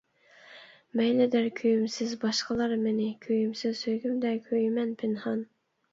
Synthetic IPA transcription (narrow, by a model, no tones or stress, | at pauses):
mɛjlɪd̪æɾkʲʰøjymsɪzbɑʃqəlˠɑɾmɪnɪkʲʰøjymsɪzsøɡʲymd̪ɛkʲʰøjymɛnpʰɪnhɑn